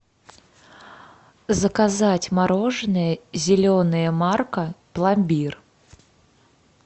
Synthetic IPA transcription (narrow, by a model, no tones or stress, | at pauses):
zəkazatʲmaɾoʐɨnɨjəzʲɪlʲonɨjəmarkəplˠamʲbʲir